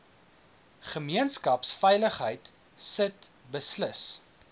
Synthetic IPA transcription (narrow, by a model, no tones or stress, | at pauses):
χəmiənskɐpsfɛjləχɦəjt | sət | bəsləs